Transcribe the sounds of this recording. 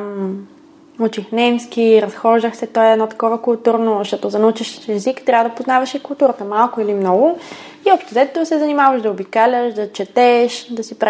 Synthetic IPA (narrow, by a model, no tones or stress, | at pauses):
m | ut͡ʃixnɛmsk̟iɾɐsxɔʒd̪əxsɛt̪ɔɛɛd̪nɔt̪ɐ̥kɔvəkʊlˠt̪uɾnoʃt̪ɔt̪ozɐnɐut͡ʃiʃɛzikt̪ɾʲavəd̪ɐpoznavɐʃikʊlˠt̪uɾət̪əmalˠkʊilimnɔɡʊ | iɔpʃt̪ɛzɛt̪t̪osɛzɐnimavɐʃd̪ɐobikalʲəʃd̪ɐt͡ʃɛt̪ɛʃd̪ɐsipɾ